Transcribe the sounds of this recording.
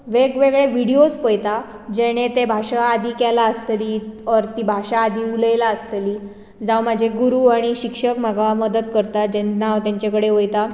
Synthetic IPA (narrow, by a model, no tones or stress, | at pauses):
ʋeɡʋeɡɭeʋiɽiospəjt̪a | d͡ʑeɽ̃ẽt̪ebʱaɕaːd̪iːkɛlaəst̪əliːɔɾt̪ibʱaɕaːd̪iːuləjlaəst̪liː | d͡zawmad͡ʑʱeɡuɾuaɽ̃iɕikʂəkm̤aɡaaməd̪ət̪kəɾt̪ad͡ʑennaʋt̪jãɲt͡ɕakəɽeɦojt̪a